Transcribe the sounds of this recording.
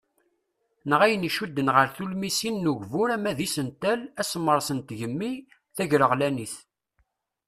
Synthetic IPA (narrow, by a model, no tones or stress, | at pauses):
nʁæjəniʃud̪ːənʁəɾθulmisinːuʝvʊɾæmæðisənt̪ælæsmːəɾˤsənt̪ʝəmːi | θæʝɾəʁlæniθ